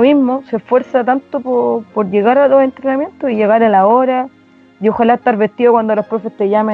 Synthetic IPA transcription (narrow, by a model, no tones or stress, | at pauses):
mizmosefwe̞ɾsat̪ant̪opopoɾʝeɣaɾaloɦe̞nt̪ɾenamje̞nt̪osiʝeɣaɾalaoɾa | jioxalaet̪aɾβet̪iðokwand̪olohpɾofe̞st̪eʝame